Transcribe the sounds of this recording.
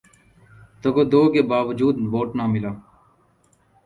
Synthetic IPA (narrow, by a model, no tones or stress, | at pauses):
t̪okoːd̪oːkeːbaːʋəd͡ʒuːd̪ʋoːʈnaːmɪlaː